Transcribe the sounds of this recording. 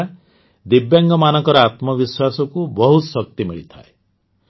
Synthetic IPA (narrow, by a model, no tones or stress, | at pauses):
d̪ibjaŋɡɔmanɔkɔɾɔat̪mɔbiswasɔkubɔɦut̪sɔk̚t̪imiɭit̪ʰa̰e